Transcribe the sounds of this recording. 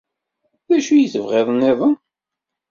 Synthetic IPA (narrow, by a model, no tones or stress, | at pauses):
ðæʃujiθəvʁeðˤneðˤən